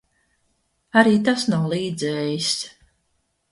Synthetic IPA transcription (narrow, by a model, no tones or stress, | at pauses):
aɾiːt̪asnawlˠiːd̪zɛːjis